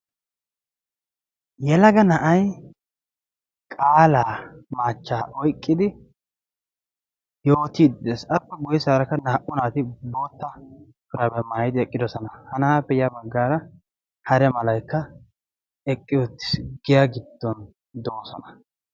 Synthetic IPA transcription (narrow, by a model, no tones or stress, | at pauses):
jɛlɐɡɐnɐʔɐj | kʼaːlaːmaːt͡ʃːaːʔɔjkʼːɪd̪ɪ | jo̞ːt̪iːd̪d̪esɐpːɛbɔjɪsaːɾɐkːɐnaːʔʊnaːt̪ɪbo̞ːt̪ːɐ | fɪɾɐbɛmaːjɪd̪ɪɛkʼːɪd̪ɔsɔnɐhɐnaːpːɛjɐbɐɡːaːɾɐ | hɐɾɛmɐlɐjkːɐ | ɛkʼːɪjɔt̪ːɪ̥sɡɪjaɡɪd̪̥ːɔn | d̪oːsɔ̰nɐ̥